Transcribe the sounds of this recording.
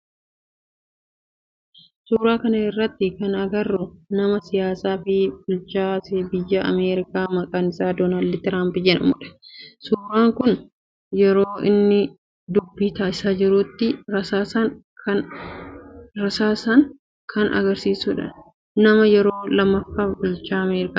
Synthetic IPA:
suːɾaːkɐnɐɪrːɐt̪ːɪkɐnɐɡɐrːʊnɐmɐsɪjaːsaːfɪbʊlt͡ʃaːsɪbɪjːɐʔɐ̰meːɾɪkaːmɐkʼaːnɪsaːd̪oːnaːld̪ɪt̪ɾaːmpɪd͡ʒɛnɐmʊᶑɐ̥suːɾaːŋkʊn | jɛɾoːʔɪnːɪ | d̪ʊbːiːt̪aːɪsaːd͡ʒɪɾuːt̪ːɪɾɐsaːsɐ | ɐ | ɾɐsaːsɐŋ | kʰɐnʔɐ̰ɡɐɾsiːsuːᶑɐ̰ | nɐmɐjɛɾo̞ːlɐmːɐfːaːbʊlt͡ʃaːɐmeːɾɪkaː

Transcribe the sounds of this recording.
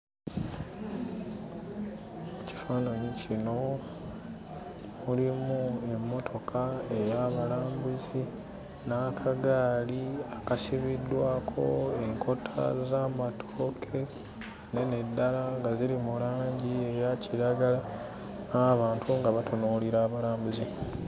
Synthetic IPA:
uci̥faːnaɲicino̞ | ulimue̞mːo̞tʰo̞kʰae̞jaβalaːmbuzi | nakʰaɡaːliakasiβidːwaːkʰo̞̰e̞ŋkʰo̞tʰa̰zaːmatʰoːkʰe̞ | nene̞dːalaŋɡaziɾimulaːɲɟie̞jaciɾaɡala | naːβaːntʰuŋɡaβatʰonoːliɾaːβalaːmbuzi

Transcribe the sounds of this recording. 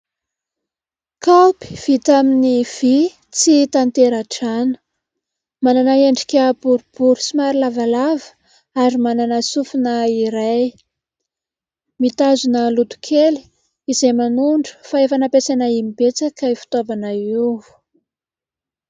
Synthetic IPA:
kawpi̥v̥it̪aminiv̥i | t͡sit̪ant̪eɾaʈ͡ʂanə̥ | mananaeɳɖ͡ʐi̥kʲəbuɾub̥uɾu̥simaɾilavalavə̥ | aɾimananasufunaiɾaj | mit̪azunəlut̪u̥kʰeli̥ | izemanuɳɖ͡ʐə̥faefanapesanaimib̥et͡sakəifi̥t̪avanauu̥

